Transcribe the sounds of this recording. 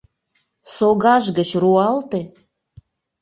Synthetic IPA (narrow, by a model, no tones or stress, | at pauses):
soɣɑʒɣət͡ɕruɑlt̪e